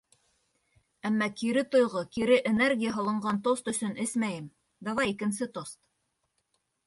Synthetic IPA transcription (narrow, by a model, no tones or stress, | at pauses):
æmːækiɾɘt̪ŏjʁɤkiɾɘʔenerɡʲijəɦŏlˠɤ̆ɴɢɑnt̪ost̪ɵ̆sɵnɘsmæjɘm | d̪ɑwɑjikɘ̆nsɘt̪ost̪